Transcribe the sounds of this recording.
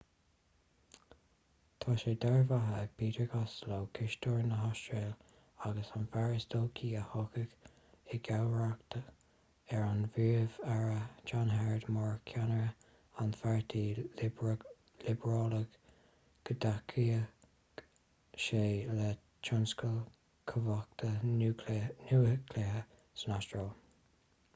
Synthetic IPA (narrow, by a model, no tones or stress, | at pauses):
t̪ʰɑːʃeːd̪ɛɹvaɦəpʰiːt̪əɹɡaslowkʰɪʃt̪ɔɹnəɦɔstɹel | aɡəsanfaɹəsd̪oːkʰiːəhɔkəɡ | ɪɡawɹakt̪ʰə | ɛɹanviɹvaɹət͡ʃanɦɛɹd̪mɔɹkʰjanəɹə | anfaɹt̪ʰiː | lɪbəɹɔːləɡ | ɡ̥əd̪akʰiə | ʃeːlə | t͡ʃʰɔnskəl | kʰəvɔk̚t̪ʰə | nuəkʰlehə | sənastɹeːl